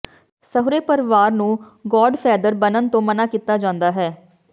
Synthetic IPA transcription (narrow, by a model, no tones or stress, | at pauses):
səɦʊɾeːpəɾɪʋaːɾnũː | ɡɔːɖpʰɛːd̪əɾbənənt̪õːmənaːkit̪ːaːd͡ʒãːnd̪aːɦɛː